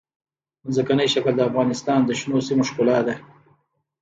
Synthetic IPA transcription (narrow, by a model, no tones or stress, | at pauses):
zəkanəjʃakəld̪əafɣɑnɪst̪ɑnd̪əʃnosimoʃkolɑd̪e